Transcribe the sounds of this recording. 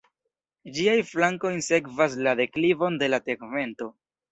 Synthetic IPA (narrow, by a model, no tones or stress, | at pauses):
d͡ʒiajflaŋko̞jnse̞kvas̬lade̞klivo̞nde̞late̞ɡme̞nto̞